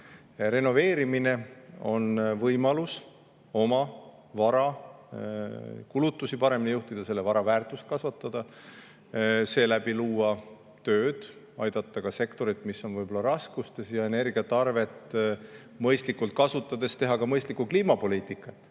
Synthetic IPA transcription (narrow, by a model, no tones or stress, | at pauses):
re̞no̞ve̞ːɾimine̞o̞nvɤjmɑlus | o̞mɑ | vɑɾɑ | kulut̪ˑːusipɑɾe̞minijuht̪id̪̥ɑse̞lːevɑɾɑvæːrt̪ˑust̪̚kɑsvɑt̪ˑːɑd̪̥ɑ | se̞ːlæb̥iluːɑ | t̪øːd̪̥ | ɑjd̪̥ɑt̪ːˑɑkɑse̞kt̪o̞ɾit̪ːˑmisːo̞nvɤjbo̞lɑɾɑskust̪e̞sjɑe̞ne̞rɡ̥iɑt̪ːˑɑrve̞t̪ˑ | mɤjst̪likːult̪̚kɑsut̪ːˑɑd̪e̞st̪e̞ɦɑkɑmɤjst̪likːukliːmɑpo̞lʲiːt̪ˑikːˑɑt̪ːˑ